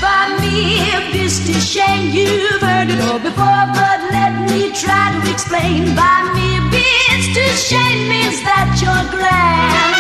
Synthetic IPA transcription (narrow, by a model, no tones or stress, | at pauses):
b̥aɪmibɪstɨʃẽɪ̃mjɨvɜ˞ɾɨɾɔbɨfɔɹbʌtlɛt̚mitʰɹ̥aɪɾɨɨksplẽɪ̃nbaɪmibɪstɨʃẽɪ̃mmɪzðət͡ʃə˞ɡlæn